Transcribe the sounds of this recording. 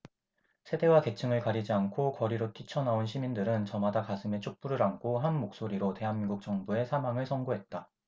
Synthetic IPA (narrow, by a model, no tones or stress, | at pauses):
sʰe̞de̞wake̞t͡ɕʰɯŋɯɭkaɾid͡ʑiankʰokʌɾiɾot͈ʰit͡ɕʰʌnaonɕʰimindɯɾɯnt͡ɕʌmadakasʰɯme̞t͡ɕʰok̚p͈uɾɯɾaŋkʰoɦanmok̚s͈oɾiɾote̞ɦanmiŋɡuk̚t͡ɕ͈ʌŋbue̞sʰamaŋɯɭsʰʌŋɡoɦe̞t̚t͈a